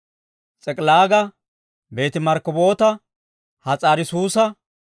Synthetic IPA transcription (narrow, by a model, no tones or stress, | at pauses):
t͡sʼɛkʼlaːɡɐ | be̞ːt̪ɪmɐɾkɔbo̞ːt̪ɐ | hɐt͡sʼaːɾɪsuːsɐ